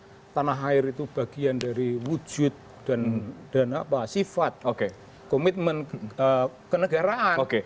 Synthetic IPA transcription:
t̪anaɦaɪɾit̪ub̥aɡ̥iandaɾiwu̥d͡ʒ̥ʊt̪̚ | d̥and̥anapasifat̪̚oke | komit̪̚mənəkənəɡaɾaʔanoke

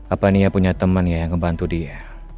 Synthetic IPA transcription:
apanijapuɲat̪əmənjajaŋməmbant̪udia

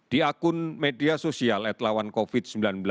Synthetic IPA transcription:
d̪̥iakʊnmediasosialɛt̪lawankofit̪̚səmbilanbil

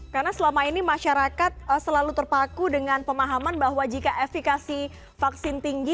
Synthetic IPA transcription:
karənasəlamainimaʃaɾakat̪̚əsəlalut̪ərpakudəŋanpəmaɦamanbaɦwad͡ʒikaʔefikasi | faksɪnt̪iŋɡi

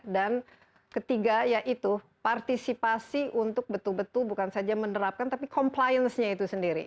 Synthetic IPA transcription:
dan | kət̪iɡajaʔit̪u | part̪isipasiʔunt̪ʊk̚bət̪ulbət̪ʊlbukansad͡ʒamənəɾap̚kant̪apikɔmplajənsɲait̪usəndiɾḭ

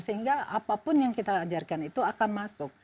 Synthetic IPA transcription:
səɦiŋɡaʔapapʊnjaŋkit̪aːd͡ʒarkanit̪uakanmasʊk̚

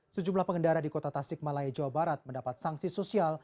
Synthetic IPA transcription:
səd͡ʒumlahpəŋəndaɾadikot̪at̪asɪk̚malaid͡ʒawabaɾat̪̚məndapat̪̚saŋsisosial

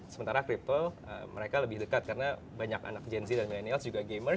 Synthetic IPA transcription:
səmənt̪aɾakɾip̪əl | ə̰məɾekaləbɪhdəkat̪̚kaɾəna | baɲaka̰nak̚d͡ʒɛnsidanmilɛnialsd͡ʒuɡaɡemə

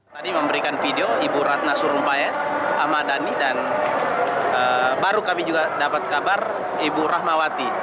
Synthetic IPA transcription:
t̪adiməmbəɾikanfideoibuɾat̪̚nasuɾumpaɛa̰madanidan | əbaɾukamid͡ʒuɡadapat̪̚kabar | ibuɾaɦmawat̪i

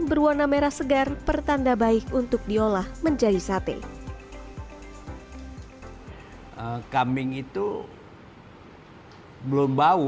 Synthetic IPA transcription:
bərwɔnameɾasəɡarpərt̪andabaɪkunt̪ʊk̚diolahməɲd͡ʒadisat̪ḛ | əkamɪŋit̪u | bəlʊmba

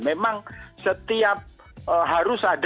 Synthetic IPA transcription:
memaŋsət̪iap̚ | əɦaɾʊsad

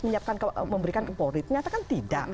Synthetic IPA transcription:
məɲiap̚kankməmbəɾikankəpoɾɪt̪̚ɲat̪akant̪idaʔ

